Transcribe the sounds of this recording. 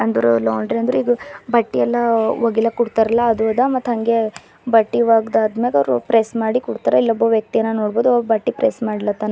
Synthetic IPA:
ɐnd̪ɐɾulaːɳɖɾiɐnd̪ɾuiːɡɐbɐʈːiɛlːɐʋoɡilːɐkuɽt̪aɾɐlːɐːd̪uɐd̪ɐmɐt̪ːɦɐŋɡe̞ | bɐʈːiʋaːɡd̪aːd̪meɐɾpɾesmaːɽikuɽt̪aɾɐilːɐbːoʋjɐk̚t̪ijɐnːɐnoːɽboːd̪ubɐʈːipɾesmaːɽilːɐt̪ːaːn

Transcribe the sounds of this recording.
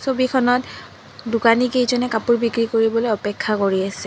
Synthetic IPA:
sobikʰɔnɔt | dʊkanikejzɔnɛkapuɹbikɹikoɹibɔlojɔpɛkʰːakoɹiasɛ

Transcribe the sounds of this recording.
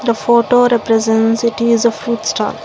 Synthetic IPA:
d̪əfoːʈoːɾɛpɾɛzɛ̃nsɪʈɪzəfɾuːʈsʈaɪl

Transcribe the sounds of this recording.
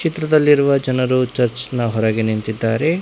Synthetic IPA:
kt͡ʃit̪ɾɐd̪ɐlːiɾuʋɐd͡ʒɐnɐɾut͡ʃɐɾt͡ʃnɐɦɔɾɐɡenint̪id̪ːaːɾe

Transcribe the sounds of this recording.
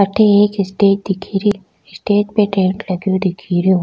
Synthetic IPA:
ɐʈʰeeːkɪsʈeːd͡ʒ̚d̪ɪkʰiːɾi | ɪsʈeːd͡ʒpeʈẽːɳʈlɐɡjõd̪ɪkʰiːɾijõ

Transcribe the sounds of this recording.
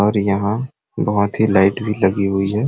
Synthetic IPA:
ɔːɾjɐɦã | bɐɦʊt̪ɦilaɪʈbʱilɐɡiɦʊiɦɛː

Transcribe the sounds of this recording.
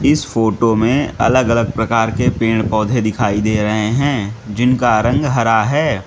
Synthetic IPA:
ɪsfoːʈomẽɐ̰ləɡɐləɡ̚pɾɐkaːɾkepeːɽ̃pɔːd̪ʱed̪ɪkʰaːid̪eːɾɐɦeɦɛ̃ːd͡ʒɪnkaɾə̃ŋɡɦɐɾaɦɛː

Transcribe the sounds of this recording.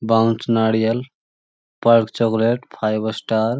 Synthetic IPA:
bawnt͡ʃnaɽijəl | pəɾkt͡ʃɔkleʈpʰajbəsʈaɾ

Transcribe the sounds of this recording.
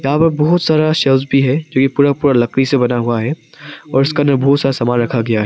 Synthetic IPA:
jɐɦãpɐɾbɔɦʊt̪saːɾaʃɛls̬bʱiɦɛd͡ʒoːkipuːɾapuːɾalɐknisebɐnaɦuaɦɛ | ɔːɾɪskanəbɔɦʊt̪saːɾasɐmaːnɾɐkʰaɡɐjaɦɛ

